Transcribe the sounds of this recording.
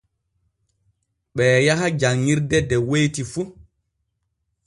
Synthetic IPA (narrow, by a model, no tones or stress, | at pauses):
ɓɛːjaɦad͡ʒaŋːiɾdɛdɛwejtifu